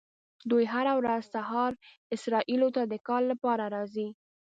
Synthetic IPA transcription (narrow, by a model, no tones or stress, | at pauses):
d̪ujɦaɾawɾazsaɦɑɾ | ɪsɾɑʔilot̪ad̪əkɑlːapɑɾaɾɑzi